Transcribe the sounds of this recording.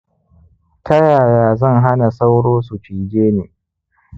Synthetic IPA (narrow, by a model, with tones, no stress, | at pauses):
tɐ˦jaː˨jaː˨zɐ˦˨ŋɦa˦na˨sa˦wɽoː˦su˨t͡ʃiː˨ɡʲeː˦neː˨